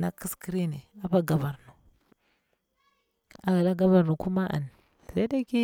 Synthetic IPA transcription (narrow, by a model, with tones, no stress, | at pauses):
na˦ki˦ski˦ɾi˦ni˨a˨pa˦ɡa˨va˨ɾnu˨ | a˨ɡa˨la˦ɡa˦va˨ɾnu˨ku˦ma˦ʔa̰˨n˨ | sa˦da˦ki˦